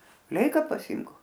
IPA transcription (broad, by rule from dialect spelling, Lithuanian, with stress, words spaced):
ˈlʲɛɪkɐ pɐˈsʲɪmk